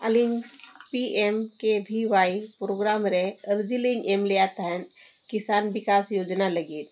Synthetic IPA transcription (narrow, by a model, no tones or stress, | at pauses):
əliŋɡpiemkebʱiʋaipɾoɡɾamɾeəɾd͡ʒiliŋɡemleat̪ɛn | kisaːnbikasjoːd͡ʒnaləɡiːt̪̚